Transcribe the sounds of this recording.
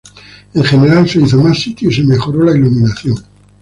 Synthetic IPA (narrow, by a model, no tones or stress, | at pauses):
eŋxe̞neɾalse̞iθomasːit̪joiseme̞xo̞ɾolailumĩnaθjoŋ